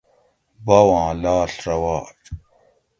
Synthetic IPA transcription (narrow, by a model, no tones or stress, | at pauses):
bɐwãːlaːɬɾɐwaːʈ͡ʂ